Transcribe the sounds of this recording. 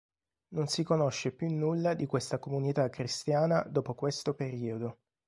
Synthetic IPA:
nonsikonoʃːepjunːulːad̪ikwest̪akomunit̪akːɾist̪jaːnad̪ɔːpokwest̪opeɾiːod̪o

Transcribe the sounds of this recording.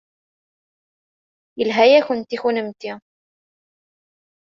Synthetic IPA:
jəlɦæjæxʊnt̪ixunəmt̪i

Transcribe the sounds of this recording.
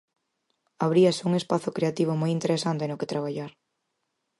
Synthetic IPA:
aβɾiasuŋespaθʊkɾeat̪iβ̞omojint̪eɾesant̪enoket̪ɾaβ̞aʎaɾ

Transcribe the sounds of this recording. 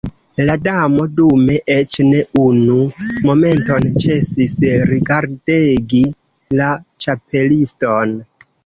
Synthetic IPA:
ladamo̞dume̞ʔet͡ʃne̞unumo̞me̞nto̞nt͡ʃe̞sisɾiɡaɾdeɡi | lat͡ʃape̞listo̞n

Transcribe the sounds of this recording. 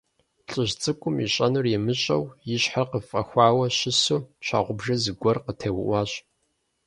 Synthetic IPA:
ɬʼɨʑt͡sʼɨkʷʼʊmiɕʼɐnɨrjɛmɨɕʼɐ̰wjɪɕħarqəfʼɐxʷɑːwɐɕɪsuːt͡ʃʷʰa̰ːʁʷʊbʒɐzɨɡʷɔrqətʰeːwʊʔʷɑːɕʼ

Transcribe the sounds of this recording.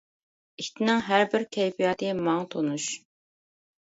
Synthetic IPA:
it̪ʰɪnɪŋɦæɾbɪɾkʲʰɛjpʰijɑːt̪ʰɨmɑŋt̪ʰonuʃ

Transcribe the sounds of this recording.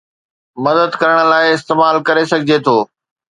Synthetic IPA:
mɐd̪əd̪kɐɾəɽ̃ə̆laːɪɪst̪eːmaːlkɐɾesɐɡʱɪd͡ʑet̪ʰoː

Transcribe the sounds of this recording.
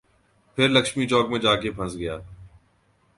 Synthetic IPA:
pʰɪɾləkʃmiːt͡ʃɔːkmẽːd͡ʒaːkepʰə̃sɡəjaː

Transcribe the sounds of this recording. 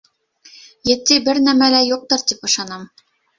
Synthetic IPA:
jɘ̆t̪ːibɘɾnæmælæjuq̚t̪ɤɾt̪ipɤ̆ʃɑnɤm

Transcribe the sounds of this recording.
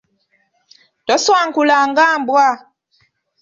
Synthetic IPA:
tɔswaŋkulaŋɡambwa

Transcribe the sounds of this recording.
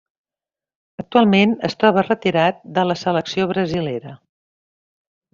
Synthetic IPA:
ək̚t̪ualˠmenə̰st̪ɾɔβ̞ərət̪iɾat̪̚d̪ələsələksioβɾəzileɾə

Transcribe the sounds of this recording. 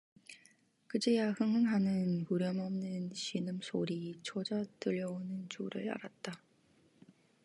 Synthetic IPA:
kɯd͡ʑejahɯŋɦɯŋɦanɯnuɾjʌmʌmnɯnɕinɯmsʰoɾit͡ɕʰod͡ʑatɯʎːʌonɯnt͡ɕuɾɯɭa̰ɾat̚t͈a

